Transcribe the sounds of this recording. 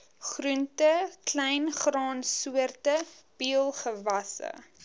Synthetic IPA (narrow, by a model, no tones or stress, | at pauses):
χruntəklɛjnχrɑːnsuərtə | b̥iəlˠχəvɐsə̰